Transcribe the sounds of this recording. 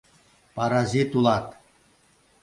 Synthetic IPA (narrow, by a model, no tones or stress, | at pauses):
paɾazit̪ulɑt̪